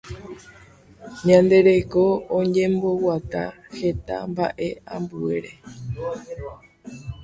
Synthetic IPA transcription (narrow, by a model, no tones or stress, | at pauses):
ɲãnd̪e̞ɾe̞ko̞õɲẽmbo̞wat̪a̰he̞t̪a̰mba̰ʔe̞ʔãmbue̞ɾe̞